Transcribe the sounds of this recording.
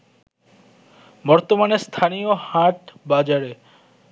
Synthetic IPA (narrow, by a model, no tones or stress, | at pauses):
bɔɾt̪omanest̪ʰanijohaʈbad͡ʒaɾe